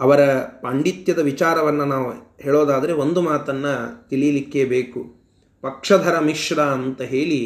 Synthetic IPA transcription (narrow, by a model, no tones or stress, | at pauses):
ɐʋɐɾɐpaːɳɖit̪jɐd̪ɐʋit͡ʃaːɾɐʋɐnːɐnaːʋuɦeːɭoːd̪aːd̪ɐɾe̞ond̪umaːt̪ɐnːɐt̪iɭijɐlikːe̞beːku | pɐkʂɐd̪ʱɐɾɐmiʂɽɐːnt̪ɐɦeːɭi